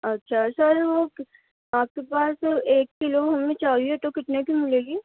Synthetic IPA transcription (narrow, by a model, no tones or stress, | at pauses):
ɐtːʃʰasaɾʋo | aːp̚kepaːseːkːɪloɦɐmẽt͡ʃaːiɛt̪okɪʈ̪nekĩmɪleːɡiː